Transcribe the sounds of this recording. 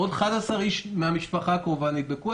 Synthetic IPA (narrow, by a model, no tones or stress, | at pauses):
od̪χadasaʁiʃmeamiʃpaχakamuvanit̪̚beku